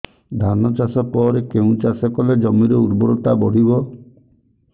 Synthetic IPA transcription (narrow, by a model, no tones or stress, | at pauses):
d̪ʱanɔt͡ʃasɔpɔɾekeũt͡ʃasɔkɔled͡ʒɔmiɾeuɾbɔɾɔt̪abɔɽ̤ibɔ